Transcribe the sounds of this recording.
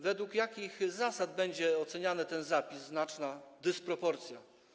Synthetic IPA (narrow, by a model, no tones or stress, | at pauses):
vɛd̪wukjakʲixzasad̪̚bɛɲd͡ʑɛɔt̪sɛɲanɘt̪ɛnzapʲizːnat͡ʂnad̪ɘspɾɔpɔɾt̪sʲja